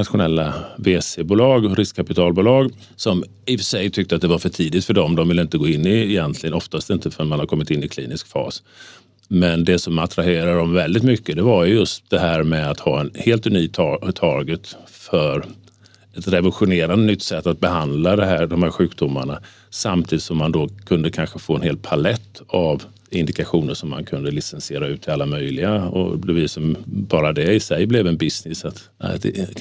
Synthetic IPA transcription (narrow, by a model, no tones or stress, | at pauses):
at̪ɧʊnɛlːaveːsebuːlɑːɡɔɾɪskʰapɪt̪ʰɑːlbuːlɑːɡ | sɔm | ɪfsɛjt̪ʰʏk̚t̪əat̪̚d̪ɛvaɾfœʈʰiːd̪ɪt̪fœɖɔmd̪ɔmvɪlːəɪnt̪əɡoːɪnːɪːjɛnt̪ʰlɪɡənɔft̪ast̪ɪnt̪əfœnmanhaɾkʰɔmːɪt̪ɪnːɪkʰlḭːnɪskfɑ̰ːs | mɛnd̪ɛsɔmat̪ɾaheːɾadɔmvɛld̪ɪt̪mʏkːəd̪ɛvaɾjjɵst̪̚d̪̥ɛɦæːɾmɛat̪hɑːɛnheːlt̪ʉnyːt̪ʰɑt̪ʰɑːɡət̪fœɾ | ɛt̪ɾɛvəlɧʊneːɾand̪ənʏt̪ːsɛt̪ːat̪̚bɛɦand̪lad̪ɛɦæːɖɔmhæːɾɧʉ̟ːkd̪ʊmːaɳa | samt̪ʰiːd̪ɪt̪sɔmːand̪ɔkʰɵnd̪əkʰanɧəfoːɛnheːl̚pʰalɛt̪ːav | ɪnd̪ɪkaɧuːnəʂɔmːa̰nkʰɵnd̪əlɪsɛnsɪeːɾaʉ̟ːt̪ʰɪalːamœjlɪɡaɔ̰d̪ɛviːd̪sɔmbɑːɾad̪ɛɪsɛjblɛvɛnbɪsnɪsat̪ | d̪ɛ̰